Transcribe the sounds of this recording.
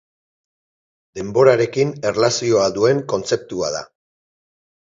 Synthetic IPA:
d̪e̞mbo̞ɾaɾe̞kine̞rlasio̞ad̪ue̞ŋko̞nt͡se̞p̚t̪ua̰ða̰

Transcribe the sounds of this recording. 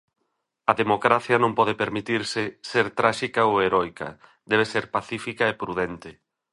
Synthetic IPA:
ɐðemokɾaθjɐnõmpɔð̞epeɾmit̪iɾsɪseɾt̪ɾaʃikaoeɾɔjkɐ̰ | d̪ɛβ̞eseɾpaθifikɐepɾuðɛnt̪ɪ

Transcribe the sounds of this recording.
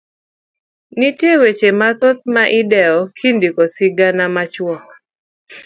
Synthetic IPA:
nitjewet͡ʃemat̪ɔt̪̚maʔɪdɛɔkʰindikɔsɪɡanamat͡ʃwɔl

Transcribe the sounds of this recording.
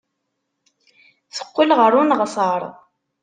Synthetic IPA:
θə̥qːilʁəɾˤʊnʁsəɾˤ

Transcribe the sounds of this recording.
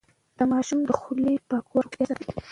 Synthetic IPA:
d̪̥əmɑʃumd̪əxulipɑkwaɾjɑsat̪

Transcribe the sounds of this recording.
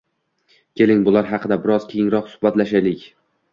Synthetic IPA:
kʲʰe̞lɪŋbʊlˠaɾɦɑqʰɨd̪abɪɾɒz̥kʲʰejɪŋɾɒqsʊ̥bat̪laʃajlɪkʲ

